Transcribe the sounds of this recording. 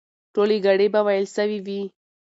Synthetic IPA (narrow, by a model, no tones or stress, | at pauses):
ʈoleɡaɽebawajəlsəwiwi